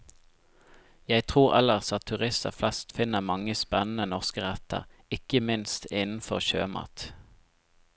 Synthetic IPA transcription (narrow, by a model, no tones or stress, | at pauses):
jæɪt̪ʰʁuːʁɛ̰ləʁsɑt̪t̪ʰʉʁɪst̪əʁflɛst̪fɪnəmɑŋəspɛnn̩ənɔʁskəʁɛt̪ə̰ʁɪkəmɪnst̪ɪnn̩fɔʁʃø̰ːmɑ̰ːt̪